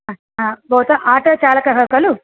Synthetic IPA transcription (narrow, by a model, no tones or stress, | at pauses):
a | abɔwt̪aʔaːʈoːt͡ʃaːlaːkɐɦɐkɐlu